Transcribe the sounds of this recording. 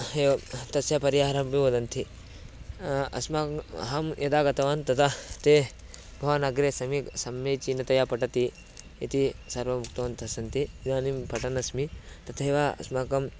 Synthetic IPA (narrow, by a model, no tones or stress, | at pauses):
et̪ɐsjapɐɾjaːɦɾɐmbiʋod̪ɐnt̪ʰi | ɐ̰smaːɦɐmjɐd̪aːɡɐt̪ɐʋaːnt̪ɐt̪ʰɐt̪eː | bʱɐʋanɐɡɾesɐmisɐmjɐt͡ʃinɐt̪ɐjaːpɐʈɐt̪i | it̪isɐɾʋɐmuk̚t̪ɐʋɐnt̪ʰɐsɐnt̪ʰid̪aːnimpɐʈɐnɐsmit̪ɐt̪ʰɐeʋaɐ̰smaːkɐm